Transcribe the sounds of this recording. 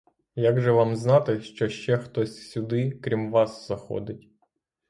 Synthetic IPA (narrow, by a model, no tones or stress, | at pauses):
jaɡʒɛʋɑmznɑt̪ɪʃt͡ʃɔʃt͡ʃɛxt̪ɔsʲsʲʊd̪ɪkɾʲimʋɑsz̥ɐxɔ̰d̪ɪtʲ